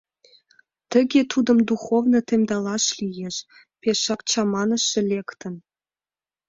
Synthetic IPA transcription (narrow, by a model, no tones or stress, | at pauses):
t̪ə̆ɡʲet̪ud̪ɤ̆md̪uχovnɤ̆t̪emʲd̪ɑlɑʃlijeʃ | pʲeʃɑkt͡ɕɑmɑnə̆ʃːĕlʲekt̪ə̆n